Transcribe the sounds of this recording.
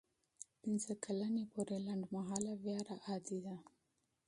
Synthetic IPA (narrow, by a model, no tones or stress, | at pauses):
pɪnzakʰalanepoɾelaɳɖmaɦɑlavjɑɾaʔɑd̪id̪a